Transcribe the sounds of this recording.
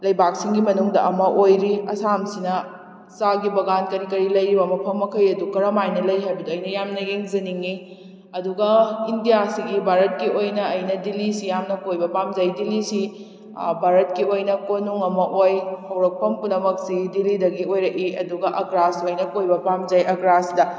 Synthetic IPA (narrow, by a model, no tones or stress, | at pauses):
lɐjbak̚siŋɡimɐnuŋdɐ̰ɐmɐʔojɾiɐsamsinɐ | saɡibɐɡankɐɾikɐɾilɐjɾibɐmɐpʰɐmːɐkʰɐjɐdukɐɾɐmajnɐlɐjɦabiduɐjnɐjamnɐjeŋzɐniŋi | ɐduɡɐindijasiɡibʱaɾɐt̚kiojnɐːjnɐdilisijamnɐkojbɐpamzajdilisi | bʱaɾɐt̚kiojnɐkonuŋɐmɐʔojhɐwɾɐk̚pʰɐmpunɐmɐk̚siɡdilidɐɡiojɾɐkiɐ̰duɡɐʔɐɡɾasojnɐkojbɐpamzajɐɡɾasdɐ